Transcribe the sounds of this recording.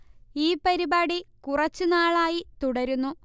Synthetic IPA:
iːpɐɾibaːɽikurɐt͡ɕːunaːɭaːjit̪uɽɐɾunːu

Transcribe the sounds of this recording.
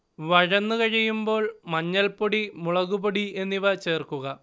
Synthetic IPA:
ʋɐɻɐnːukɐɻijumbo̞ːɭmɐɲːɐlpoɽimuɭɐɣuboɽiʔe̞nːiʋɐt͡ɕe̞ːrkuɣɐ

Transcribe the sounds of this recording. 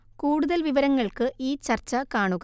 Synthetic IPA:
kuːɽuðɐlʋiʋɐɾɐŋːɐɭkɨʔiːt͡ɕɐrt͡ɕːɐkaːɳuɣ

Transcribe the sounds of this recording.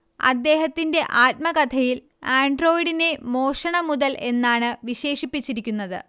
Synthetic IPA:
ɐ̰d̪ːe̞ːɦɐt̪ːinde̞ʔaːt̚mɐkɐt̪ʰɐjil | aːɳɖro̞ːjiɽine̞mo̞ːʂɐɳɐmuðɐlʔe̞nːaːɳɨʋiɕe̞ːʂipːit͡ɕːiɾikʲːunːɐðɨ̰

